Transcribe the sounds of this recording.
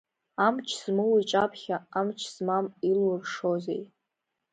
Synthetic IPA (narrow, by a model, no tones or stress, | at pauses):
amt͡ʃʰz̥mɨwit͡ʃʼapʰχʲaamt͡ʃʰz̥mamilurʂozḛj